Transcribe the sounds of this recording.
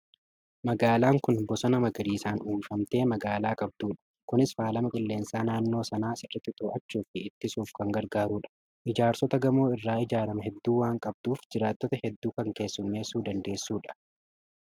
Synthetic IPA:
mɐɡaːlaːŋkʊnbɔsɐnɐmɐɡɾiːsaːnuːmfɐmt̪e̞ːmɐɡaːlaːkʼɐb̚d̪uːᶑɐ̥ | kʊnɪsfaːlɐmɐkʼɪlːe̞ːnsaːnaːnːo̞ːsɐnaːsɪrːɐt̪ːɪt̪oːɐt͡ʃːuːfɪɪt̪ːɪsuːfkɐŋɡɐɾɡaːɾuːᶑɐ̥ | ʔɪd͡ʒaːɾsɔt̪ɐɡɐmo̞ːɪrːaːɪd͡ʒaːɾɐmɐɦɛd̪ːuːwaːŋkʼɐb̚d̪uːfd͡ʒɪɾaːt̪ːɔt̪ɐhɛd̪ːuːkɐŋke̞ːsːʊnːe̞ːsːuːd̪ɐnd̪e̞ːsːuːᶑɐ̥

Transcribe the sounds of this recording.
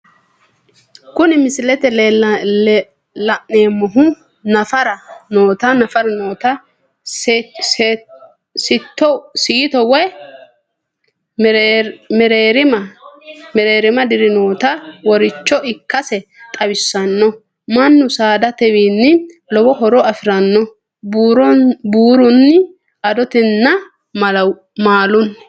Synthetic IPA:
kʊnɪmɪsɪlɛt̪ɛ | lɐʔneːmːɔɦʊ | nɐfɐɾɐnoːt̪ɐnɐfɐɾɐnoːt̪ɐ | s | sɪt̪ːɔsɪjɪt̪ɔwɛ | mɛɾeːɾɪmɐ | mɛɾeːɾɪmɐd̪ɪɾɪnoːt̪ɐwɔɾɪt͡ʃːɔʔɪkːɐsɛt̪ʼɐbɪsːɐnːɔ | mɐnːʊsaːd̪ɐt̪ɛwiːnːɪ | lɔwɔɦɔɾɔɐfɪɾɐnːɔ | b | buːɾʊnːɪ | ɐd̪ɔt̪ɪnːɐ | ɐ | maːlʊn

